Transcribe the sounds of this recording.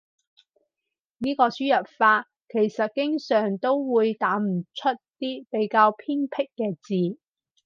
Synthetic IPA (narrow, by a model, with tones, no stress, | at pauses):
niː˥kɔː˧syː˥jɐ˨t̚faː˧t̚ | kʰe˨˩jsɐ˨t̚kɪ˥ŋsœː˨˩ŋt̪o˥wwuː˨˧jt̪aː˨˥m̩˨˩t͡ʃʰɵ˥t̚t̪iː˥pe˨˥jkaː˧wpʰiː˥ŋpʰɪ˥kːɛː˧t͡siː˨˧